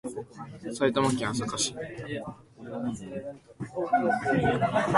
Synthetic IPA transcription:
sait̪amakẽɰ̃asakaɕi̥

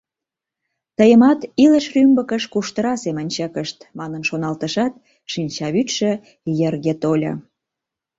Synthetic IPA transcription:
t̪əjə̆mɑt̪iləʃrymbəkəʃkuʃt̪əɾɑsemənʲt͡ɕəkəʃt̪mɑnənʃonɑlt̪əʃɑt̪̚ | ʃinʲt͡ɕɑβyt̪ʃə̆ | jerɣet̪olʲə̰

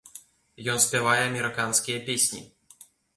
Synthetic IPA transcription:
jɔnsʲpʲɛvajɛɐmʲɛɾɨkanskʲijɐpʲesʲnʲḭ

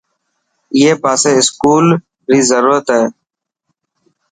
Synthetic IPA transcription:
jeːpaːseːɪskuːl | ɾiːzəɾuːɾət̪ɦeː

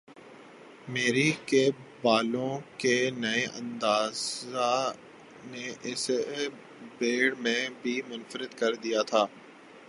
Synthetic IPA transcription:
meːɾikebaːlõkenɐeʔɐ̰̃nd̪aːza | neʔɪse | beːɽmẽbʱimʊnfəɾɪd̪kɐɾd̪ijat̪ʰaː

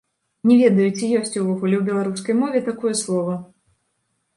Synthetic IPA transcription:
nʲɛvʲɛd̪ɐjut͡sʲijɔsʲt͡sʲuvɔɣulʲɛwbʲɛlˠaɾuskɐjmɔvʲɛt̪akɔjɛslˠɔvɐ

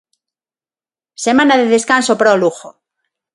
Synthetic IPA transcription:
semãnaðeðeskansopɾoluxo

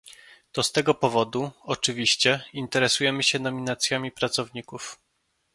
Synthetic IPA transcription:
t̪ɔst̪ɛɡɔpɔvɔd̪uɔt͡ʂɘvʲiɕt͡ɕɛint̪ɛɾɛsujɛmɘɕɛnɔmʲinat̪sʲjamʲipɾat̪sɔvɲikuf

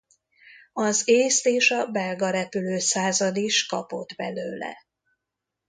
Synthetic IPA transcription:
ɒzeːst̪eːʃɒbɛlɡɒɾɛpyløːsaːzɒd̪iʃkɒ̰po̞d̪bɛløːlɛ̰

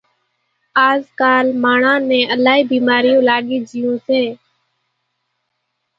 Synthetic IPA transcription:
aːzkaːlmaːɳãːnẽːəlaːɦiːbiːmaːɾɪjõːlaːɠiːd͡ʒɪjõːseː

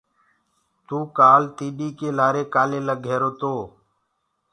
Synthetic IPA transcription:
t̪uːkaːlt̪iːɗiːkeːlaːɾeːkaːleːləːɡʱeːɾoːt̪oː

